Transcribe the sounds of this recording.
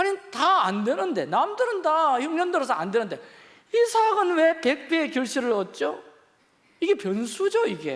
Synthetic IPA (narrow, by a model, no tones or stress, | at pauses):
hanintaːndwenɯnde̞namdɯɾɯndaçuŋɲʌndɯɾʌsʰʌandwenɯnde | isʰaɡɯnwe̞pe̞k̚p͈eːkjuɭɕ͈iɾɯɭʌt̚t͡ɕ͈o | iɡe̞pjʌnsʰud͡ʑoiɡe̞̰